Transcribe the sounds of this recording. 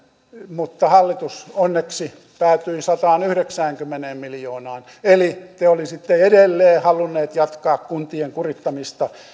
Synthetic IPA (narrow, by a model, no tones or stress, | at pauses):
mut̪ːɑhɑlːit̪usonːeksi | pæːt̪yisɑt̪ɑːnyhɾeksæːŋkymːeneːmmiljoːnɑːn | elit̪eolisit̪ːeedelːeːhɑlunːˑeːt̪jɑt̪kɑːkkunt̪ieŋkurit̪ːɑmist̪ɑ